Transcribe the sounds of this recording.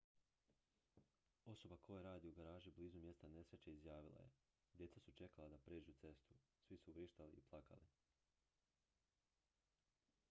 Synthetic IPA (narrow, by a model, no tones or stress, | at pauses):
o̞so̞bakʰo̞jeɾaːd̪iuɡaɾaːʒibliːzumje̞st̪ane̞sɾet͡ʃeizjaːʋilˠa̰je̞̰ | d̪ʲje̞t̪sasut͡ʃe̞kalˠad̪apɾeːd͡ʒut̪se̞st̪u | sʋisuʋɾiʃt̪aliiplˠaka̰li